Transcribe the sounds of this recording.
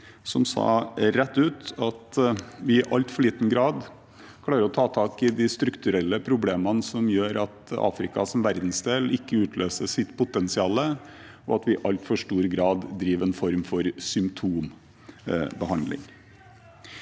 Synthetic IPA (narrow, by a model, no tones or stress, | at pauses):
sɔmsɑ̰ːɾɛt̪ːʉːt̪ɑt̪ʋɪɪʔɑlt̪fɔɭiːt̪n̩ɡɾɑːd̪ | kʰlɑːɾəɾɔt̪ʰɑːt̪ʰɑːkɪd̪ɪst̪ɾʉkt̪ʉɾɛlːəpʰɾʊbleːmənsɔmjøːɾɑt̪ɑ̰ːfɾɪkɑsɔmʋæɾd̪n̩sd̪eːlɪkːəʉːt̪ʰløːsəʂɪt̪ːpʊt̪ɛnsɪɑːlə | ɔɑt̪ʋɪʔɑlt̪fɔʂʈuːɾɡɾɑːd̪ːɾiːʋɛnfɔɾmfɔɾsʏmpt̪ʰuːm | bəhɑnd̪lɪ̰ŋ